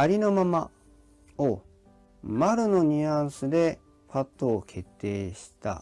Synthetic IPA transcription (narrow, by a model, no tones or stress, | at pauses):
aɾʲino̞mama | o | maɾɯ̟no̞ɲ̟iãɰ̃sɨd̪e̞ | pat̪ːoːkʰe̞t̪ːe̞ːɕi̥t̪a̰